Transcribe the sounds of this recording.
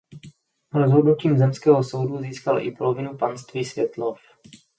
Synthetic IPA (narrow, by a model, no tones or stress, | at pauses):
ɾozɦodnuciːmzɛmskɛːɦoso̞wduziːskalʔɪ̰polovɪnupanst̪viːsvjɛt̪lof